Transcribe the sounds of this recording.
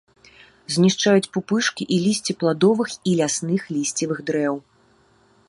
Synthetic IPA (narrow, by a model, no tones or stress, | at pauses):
zʲnʲiʂt͡ʂajut͡sʲpupɨʂkʲiʔilʲisʲt͡sʲiplˠad̪ɔvɨxilʲasnɨxlʲisʲt͡sʲivɨɣd̪ɾɛw